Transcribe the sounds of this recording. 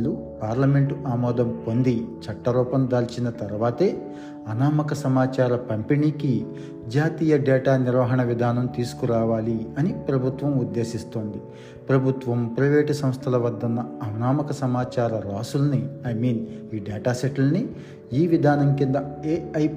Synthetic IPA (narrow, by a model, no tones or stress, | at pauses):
lu | paːɾlɐme̞ɳʈuʔaːmɔːd̪ɐmpo̞nd̪it͡ʃɐʈːɐɾɔːpɐmd̪aːlt͡ʃinɐt̪ɐɾuʋaːt̪e̞ː | ɐnaːmɐkɐsɐmaːt͡ʃaːɾɐpɐmpiniːki | d͡ʒaːt̪iːjɐɖeːʈaːniɾʋɐɦɐɳɐʋid̪ʱaːnɐmt̪iːsu̥kuɾaːʋaːliɐnipɾɐbʱut̪ʋɐmud̪ːe̞ːsist̪oːnd̪i | pɾɐbʱut̪ʋɐmpɾɐʋeːʈisɐ̃m̃st̪ʰɐlɐʋɐd̪ːɐnːɐɐnaːmɐkɐsɐmaːt͡ʃaːɾɐɾaːsulniɐjmiːniːɖɛːʈaːseʈulni | iːʋid̪ʱaːnɐmkind̪ɐeːɐj